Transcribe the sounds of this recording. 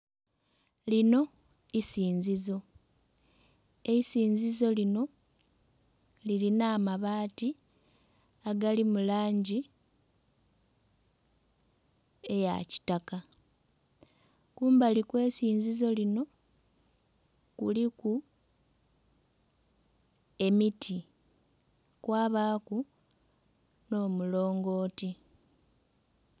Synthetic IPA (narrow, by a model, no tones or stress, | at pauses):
lino̞ | isiːɲzizo̞ | eisiːɲzizo̞lino̞ | lilinaːmaβaːti | aɡalimulaːɲɟi | e̞ja̰ci̥taka | kuːmbalikwe̞ːsiːɲzizo̞lino̞ | kuliku | e̞mitʰi | kwaːβaːku | no̞ːmulo̞ːŋɡo̞ːti